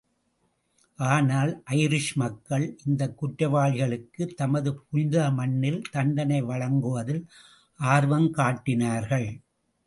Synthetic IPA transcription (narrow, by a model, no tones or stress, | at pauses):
ʔaːnaːlʔɐɪɾɪʂmɐkːɐɭʔɪnd̪ɐkːʊʈɾɐʋaːɻɣɐɭɯkːɯt̪ɐmɐðɯpʊɲd̪ɐmɐnːɪlt̪ɐɳɖɐnɐɪʋɐɻɐŋɡɯʋɐðɪl | ʔaːɾʋɐmkaːʈːɪnaːɾɣɐɭ